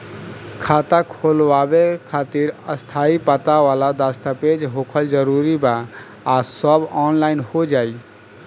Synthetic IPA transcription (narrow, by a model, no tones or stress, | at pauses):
kʰat̪akʰolwabekʰat̪iɾəst̪ʰaipət̪aʋalad̪ast̪aped͡ʒɦokʰəld͡ʒəɾuɾiba | asəbɔnlaɪnhod͡ʒai